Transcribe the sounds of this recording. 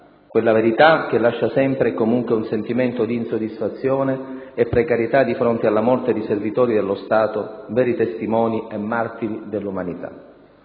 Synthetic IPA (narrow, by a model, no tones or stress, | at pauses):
kwelːaveɾit̪ak̟elːaʃːasɛmpɾekomuŋkweunsent̪iment̪od̪iːnsod̪ːisfat̪sːjoːneː | pːɾekaɾjet̪ad̪ːifɾont̪ealːamɔrt̪ed̪eservit̪ɔːɾid̪elːost̪aːt̪ovɛːɾit̪est̪imɔːniemːart̪iɾid̪elːumanit̪a̰